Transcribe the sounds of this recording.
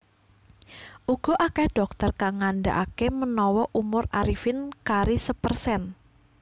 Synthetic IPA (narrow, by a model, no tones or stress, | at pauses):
ʔuɡ̥ɔ̤ʔakɛhɖ̥ɔk̚t̪ərkaŋanɖa̰ʔakemənɔwɔʔumʊraɾifɪnkaɾisəpərsɛn